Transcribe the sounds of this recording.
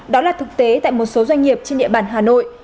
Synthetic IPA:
ɗɔ˨˦laː˨˩t̪ʰɨ˨˩k̚t̪e˨˦t̪a̰ː˧˨jmo˨˩t̚so˨˦zwa˧jŋ̟ŋi˨˩əp̚t͡ɕe˧nɗḭ˧˨əɓaː˧˩nɦaː˨˩no̰˧˨j

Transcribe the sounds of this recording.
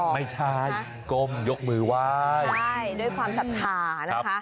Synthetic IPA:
ma˥˩jt͡ɕʰa˥˩j | ko˧˩mjo˦˥k̚mɯː˧˩wa˦˥˩ja˥˩jduː˥˩jkʰwaː˧msa˨˦t̪ʰaː˨˩˦na˦˥kʰ

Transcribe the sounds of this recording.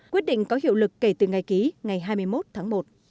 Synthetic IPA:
kwət̚ɗḭ˧˨ŋ̟kɔ˨˦hḭ˧˨əwlɨ˨˩kːe˧˩t̪ɨ˨˩ŋa˨˩jki˨˦ŋa˨˩jɦaː˧jmɨ˧əjmo˦˥t̚t̪ʰaː˨˦ŋmo˨˩t̚

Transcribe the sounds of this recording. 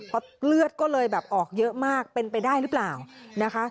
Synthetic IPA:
pʰɔ˧˥lɯ˥˩ət̪̚kɔː˥˩lɤː˧jbɛː˨˩p̚ʔɔː˨˩k̚jɤ˦˥ʔmaː˥˩k̚pe˧npa˧jdaː˥˩jɾɯː˦˥plaː˨˩wna˦˥kʰa˦˥ʔ

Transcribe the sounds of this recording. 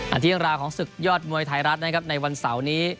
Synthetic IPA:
ʔa̰˧˩t̪ʰːə˧ŋɾaː˧wkʰɔː˩˦ŋsɯ˨˩k̚jɔː˥˩t̪̚mu˧əjt̪ʰa˧jɾa˦˥t̪̚na˦˥kʰa˦˥p̚na˧jwa˧nsa˩˦wniː˦˥

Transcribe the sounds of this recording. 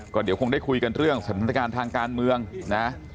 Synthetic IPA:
kɔː˥˩di˨˦wkʰo˧ŋdaː˥˩jkʰu˧jka˧nɾɯ˥˩əŋsa˨˦mtʰa˥˩˥a˧kaː˧nt̪ʰaː˧ŋkaː˧nmɯ˧əŋna˦˥

